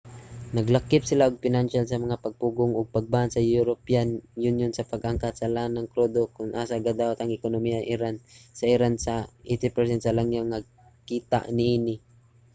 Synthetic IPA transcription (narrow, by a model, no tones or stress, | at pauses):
nɐɡlakːɪpsɪlaʊɡ̚pɪnanʃalsɐmɐŋapaɡ̚puɡʊŋʊɡ̚paɡ̚baansɐjuɾopianjʊnjʊnsɐpaɡʔaŋkat̪salanaŋkɾod̪okʊnʔasaɡad̪awat̪aŋɪkonomiaʔɪɾansaɪɾansaʔet̪ɪpɛɹsɛnt̪sɐlaŋjaŋːa | kiːt̪a̰ʔniʔinɪ